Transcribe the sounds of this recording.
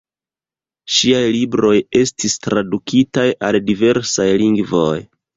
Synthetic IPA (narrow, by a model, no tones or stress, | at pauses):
ʃiajlibɾo̞je̞stistɾadukitajaldive̞ɾsajliŋɡvo̞j